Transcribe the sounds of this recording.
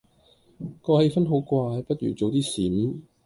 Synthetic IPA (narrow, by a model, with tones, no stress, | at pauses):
kɔː˧he˧jfɐ˥nɦo˨˥wkʷwaː˧jpɐ˥t̚ɥy̰ː˨˩t͡so˨wt̪iː˥siː˨˥n